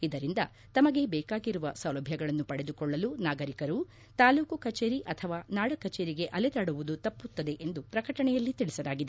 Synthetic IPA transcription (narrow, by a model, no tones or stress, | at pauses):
id̪ɐɾind̪ɐ | t̪ɐmɐɡe̞bɛːkaːɡiɾuʋɐsɐwlɐbʱjɐɡɐɭɐnːupɐɽed̪ukɔɭːɐlunaːɡɐɾikɐɾu | t̪aːluːkukɐt͡ʃeːɾiʔɐt̪ʰɐʋaːnaːɽɐkɐt͡ʃeːɾiɡe̞ʔɐlɛd̪aːɽuʋud̪ut̪ɐpːut̪ːɐd̪e̞ʔend̪upɾɐkɐʈɐɳɛjɐlːit̪iɭisɐlaːɡid̪e